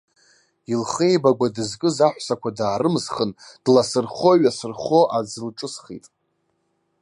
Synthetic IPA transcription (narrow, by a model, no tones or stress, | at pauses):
ilχejbaɡʷadɨzkʼɨzaħʷsakʷʰadaːɾɨmzχənd̥lasɨrχo̞ɥasɨrχo̞ʔad͡zɨlʈ͡ʂʼɨsχḭtʼ